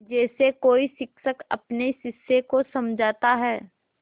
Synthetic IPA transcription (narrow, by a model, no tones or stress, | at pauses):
d͡ʒɛːsekoːisɪkʃəkɐ̰pnesɪsːekosɐmd͡ʒʱaːt̪aɦɛː